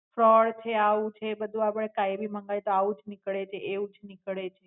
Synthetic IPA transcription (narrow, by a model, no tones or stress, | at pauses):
fɾɔɽt͡ʃʰeaʋũt͡ʃʰebəd̪ʱũapɽekajbiməŋɡajt̪oaũd͡ʒnikɭet͡ʃʰeeʋũd͡ʒnikɭet͡ʃʰe